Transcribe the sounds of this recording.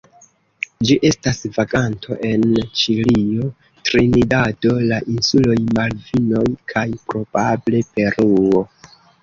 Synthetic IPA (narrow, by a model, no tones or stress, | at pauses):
d͡ʒiʔe̞stasvaɡantʰo̞̰ʔe̞nt͡ʃilio̞ | tɾinidado̞laʔinsulo̞jmalvino̞jkʰajpɾo̞b̥able̞pe̞ɾuo̞